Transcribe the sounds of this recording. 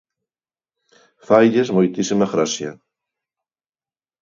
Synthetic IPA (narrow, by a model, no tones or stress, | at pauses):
fajʎezmojt̪isimaɣɾasja